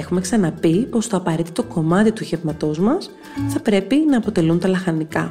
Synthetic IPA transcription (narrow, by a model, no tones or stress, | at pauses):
exume̞ksɐnɐpipo̞st̪o̞ɐpɐɾe̞t̪it̪oko̞mɐt̪it̪uçevmɐt̪o̞zmɐs | θɐpɾe̞pinɐːpo̞t̪e̞lunt̪ɐlɐxɐnikɐ